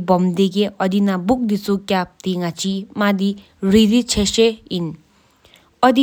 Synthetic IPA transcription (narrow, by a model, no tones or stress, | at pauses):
bʌmd̪eɡeʔʌd̪inabuk̚d̪it͡sukʲjap̚t̪iŋat͡simad̪i | ridit͡sʰesein | ʌd̪i